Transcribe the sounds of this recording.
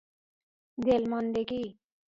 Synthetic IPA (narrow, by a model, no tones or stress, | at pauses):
d̪elmʌnd̪eki